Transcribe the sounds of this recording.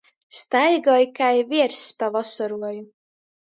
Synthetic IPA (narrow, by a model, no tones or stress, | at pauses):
st̪ajɡɔjkajviɛɾspavɔsɔɾuɔju